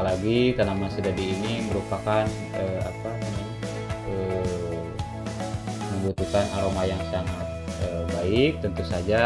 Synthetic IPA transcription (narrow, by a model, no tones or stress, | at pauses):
laɡik̪ənamasədadiːniməɾupakan | əa̰paəma | ə | məmbut̪ukanaɾomajaŋsaŋat̪̚ | əbaɪk̚t̪ənt̪usad͡ʒa